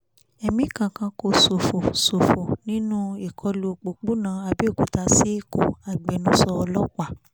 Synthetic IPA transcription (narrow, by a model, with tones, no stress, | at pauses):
ɛ˧mĩ˦kã˧kã˧˦ko˧so˨fo˨so˨fo˨nĩ˦nũ˦i˨kʰɔ˧lu˧˨k͡po˨k͡pu˦nãː˨˦a˧bi˦o˦˨ku˨ta˧si˦ko˨a˨ɡ͡be˨˦nũ˦sɔ˧ɔ˧lɔ˦k͡pa˦˨